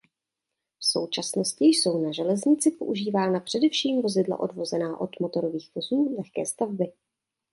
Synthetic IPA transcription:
fso̞̰wt͡ʃasno̞scɪjso̞wnaʒɛlɛzɲɪt͡sɪpo̞ʔuʒiːvaːnapr̝̥ɛdɛfʃiːmvo̞zɪdla̰ʔo̞̰dvo̞zɛnaːʔo̞d̪mo̞t̪o̞ɾo̞viːxv̥o̞zuːlɛxkɛ̰ːst̪avbɪ

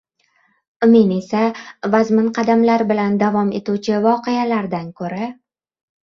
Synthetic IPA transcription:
ʊmene̞savazmɪnqʰɑd̪amlaɾbɪland̪avɒme̞t̪uwt͡ʃʰɪvɒqejalaɾd̪ankʰɵɾa

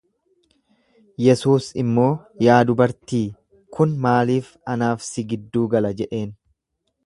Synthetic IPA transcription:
jɛsuːsɪmːo̞ː | jaːd̪ʊbɐɾt̪iː | kʊnmaːliːf | ɐnaːfsɪɡɪd̪ːuːɡɐlɐd͡ʒɛʔe̞ːn

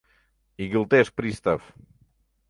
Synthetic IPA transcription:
iɣilˠt̪espɾist̪af

